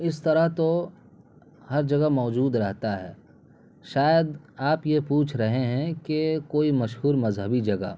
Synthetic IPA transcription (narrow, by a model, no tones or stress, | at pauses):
ɪst̪ɐɾəɦt̪o | hɐɾd͡ʒɐɡamɔːd͡ʒuːd̪ɾɐɦt̪aɦɛ̰ː | ʃaːjəd̪aːpjepuːt͡ʃʰɾɐɦeɦɛ̃kekoːimɐʃɦuːɾmɐzɦəbid͡ʒɐɡa̰ː